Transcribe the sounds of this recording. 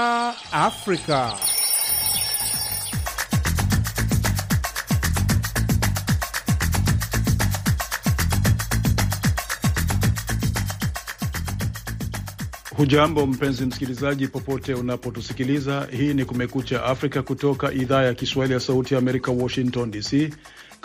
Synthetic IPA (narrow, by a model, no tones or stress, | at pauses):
afɾika | huʄambɔm̩pɛnzim̩si̥kilizaʄipɔpɔtɛunapɔtusikilizahiːnikumɛkut͡ʃaʔafɾikakutɔkaʔiðaːjakiswahilijasautijaːmɛɾikawɔʃiŋktɔndisi